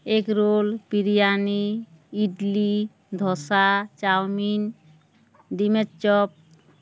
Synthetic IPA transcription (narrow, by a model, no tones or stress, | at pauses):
ekɾolpiɾijaniː | ɖli | d̪ʱɔsat͡ʃawmin | ɖimet͡ʃt͡ʃɔp̚